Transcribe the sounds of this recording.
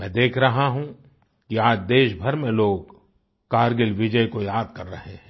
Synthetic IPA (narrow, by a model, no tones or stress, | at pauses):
mɛ̃ːd̪eːkʰɾɐɦaɦũ | kiaːd͡ʒd̪eːʃbʱɐɾmẽloːɡ | kaːɾɡɪlʋɪd͡ʒəjkojaːd̪kɐɾːɐ̰ɦeɦɛ̃ː